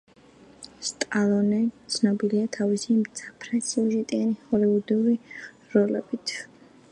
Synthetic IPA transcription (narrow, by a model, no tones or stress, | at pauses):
st̪ʼalˠɔnɛt̪sʰnɔbiliat̪ʰavisimt̪sʰapʰɾɛsiuʒɛt̪ʼianihɔliud̪iuɾi | ɾɔlɛ̰b̥it̪ʰ